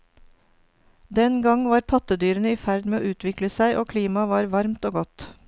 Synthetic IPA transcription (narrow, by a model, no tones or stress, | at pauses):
d̪ɛnɡɑŋʋɑːɾpʰɑt̪əd̪yːɾənəiːfæɾd̪meːoːʔʉːt̪ʋɪkləsæɪʔoːkʰliːmɑʋɑːɾʋɑɾmt̪oːɡɔt̪